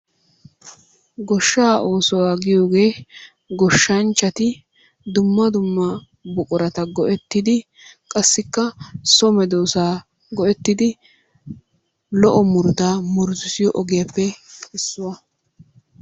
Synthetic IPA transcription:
ɡɔʃːaːʔo̞ːsɔwaːɡɪjo̞ːɡe̞ː | ɡɔʃːɐnt͡ʃʼːɐt̪ɪ | d̪ʊmːɐd̪ʊmːɐ | bʊkʼʊɾɐt̪ɐɡɔʔɛt̪ːɪd̪ɪ | kʼɐsːɪkːɐsɔmɛd̪oːsaː | ɡɔɛt̪ːɪd̪ɪ | lɔʔɔmʊɾd̪aːmʊɾzɪsɪjɔʔɔɡɪjɐpːɛɪsːʊwɐ

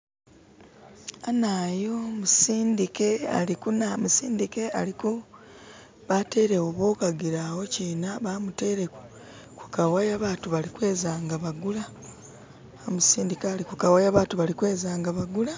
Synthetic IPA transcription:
anajomusiːndike̞a̰likunamusiːndike̞aliku | βate̞ːɾe̞woβoːkaɡiɾawo̞ciːnaβaːmute̞ːɾe̞ku̥ | ku̥kawajaβaːtuβalikwe̞ːzaːŋɡaβaɡula | omusiːndikaːlikukawajaβaːtuβalikwe̞ːzaːŋɡaβaɡula

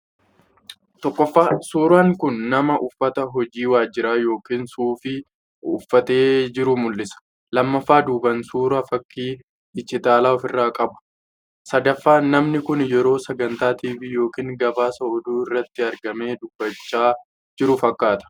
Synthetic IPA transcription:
t̪ɔkːɔfːaːsuːɾaːŋkʊnːɐmɐʔʊfːɐt̪ɐɦɔd͡ʒiːwaːd͡ʒːɪɾaːjo̞ːkiːnsuːfɪ | ʊfːɐt̪e̞ːd͡ʒɪɾʊmʊlːɪsɐ̥ | lɐmːɐfːaːd̪uːbɐnsuːɾɐfɐkːiː | ɪt͡ʃːɪt̪aːlaːɔfɪrːaːkʼɐbʊ̥ | sɐd̪ɐfːaːnɐmnɪkʊnjɛɾo̞ːsɐɡɐnt̪aːt̪iːfɪjo̞ːkiːŋɡɐbaːsɐɔd̪uːɪrːɐt̪ːɪɐɾɡɐme̞ːd̪ʊb̥ːɐt͡ʃːaː | d͡ʒɪɾʊfɐkːaːt̪ɐ̥

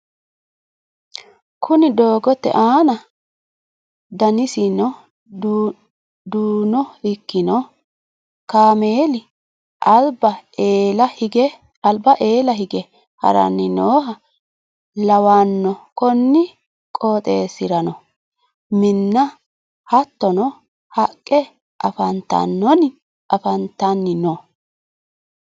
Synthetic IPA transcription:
kʰʊnɪd̪o̞ːɡɔt̪ːɛ̰ʔaːnɐ | d̪ɐnɪsinɔ | d̪uːnɔɪkːɪnɔ | kaːmeːlɪ | ʔɐlbɐːlɐhɪɡɛ | ɐlbɐʔe̞ːlɐɦɪɡɛ | hɐ̰ɾɐ̰nːɪnoːɦɐ | lɐwanːɔkɔnːɪ | kʼoːt̪ʼeːsɪɾɐnɔ | mɪnːɐ | hɐt̪ːɔnɔ | hɐkʼːɛ | ʔɐfɐnt̪ːɐ̰nːɔn | ʔɐfɐnt̪ːɐnːɪnɔ

